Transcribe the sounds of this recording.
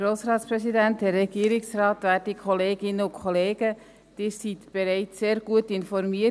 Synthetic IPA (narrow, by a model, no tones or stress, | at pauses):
ɾoːsɾɑːtspɾɛsidænthɛrːɛɡ̥iːɾɪksrɑːtʋæːɾdikʰɔleːɡɪnːəʊnkʰχɔleːɡ̥ə | d̥ɪːɾsitb̥ɛɾɛɪt͡sseːɾɡ̥uətɪnfɔɾmiə